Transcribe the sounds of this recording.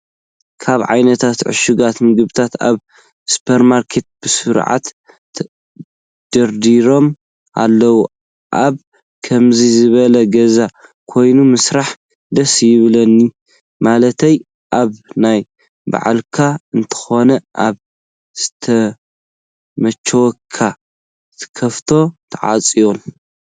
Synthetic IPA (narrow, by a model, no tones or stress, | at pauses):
kʰaβʕa̰jnɐt̪ʰat̪ʕɨ̰ʃuɡat̪mɨɡɨβɨt̪ʰat̪a̰β | su̥pʰɐɾmaɾkʰet̪̚b̥ɨsɨɾʕa̰t̪ | d̪̥ɐɾd̪iɾo̞m | a̰lːɐwu | ʔaβ | kʰɐmzizɨβɐlɐɡɐzakʰo̞jnumɨsɾaħ | d̪ɐsjɪβlɐnːi | malɐt̪ʰɐj | ʔaβnaj | ba̰ʕa̰lkʰaɨnt̪ʰɐ̥xo̞nɐʔaβ | z̥ɨt̪ʰɐ | mɐt͡ʃʰːɐwkʰːa | t̪ʰkʰɐft̪ʰo̞t̪ʰɐʕa̰t͡sʼijon